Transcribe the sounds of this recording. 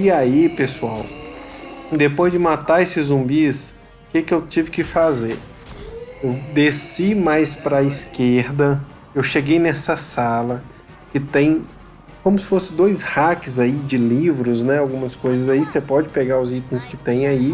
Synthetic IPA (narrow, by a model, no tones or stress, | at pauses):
iaipesuaw | d̪epojzd͡ʒɪmat̪aesɪzũmbis | kɪkɪewt͡ʃivɪkɪfazeɾ | ewd̪esimajspɾɐiskeɾd̪ɐ | ewʃeɡejnɛsɐsalɐ | kɪt̪ẽj̃ | kõmʊsɪ̥fosɪd̪ojshakɪzaid͡ʒɪlivɾʊznɛawɡũmɐskojzɐzaisepɔd͡ʒɪpeɡaʊzit̪ẽj̃skɪt̪ẽj̃ai